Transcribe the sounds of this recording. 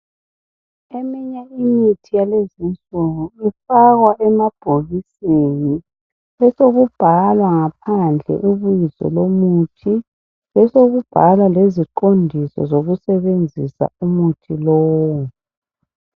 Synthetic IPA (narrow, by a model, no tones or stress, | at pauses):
emiɲaimitʰijalezint͡sʼuɣuifaɣwaʔɛmab̥ʱoɣiseni | ɛsoɣub̥ʱalwaŋapʰand͡ɮʱɛ̰ʔiβujizɔ̰lomutʰi | ɛsoɣub̥ʱalwaleziǃondʱisɔ̰zoɣusɛβend͡zʱisa̰umutʰilɔːwwu